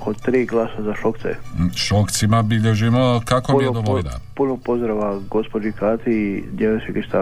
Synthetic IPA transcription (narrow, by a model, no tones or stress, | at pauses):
kot̪ɾiːɡlˠaːsazaʃokt̪sɛ̰ʃokt̪simabiʎeʒimokakomijed̪oʋoʎna̰punopozd̪ɾaʋaɡospod͡ʒikaːt̪id̪jelsiɡiʃt̪a